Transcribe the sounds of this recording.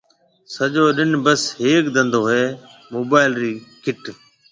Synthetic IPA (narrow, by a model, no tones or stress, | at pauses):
səʄoːɗɪnbəsɦeːkd̪ə̃nd̪oːɦeː | moːbaːɪlɾiːkɪʈ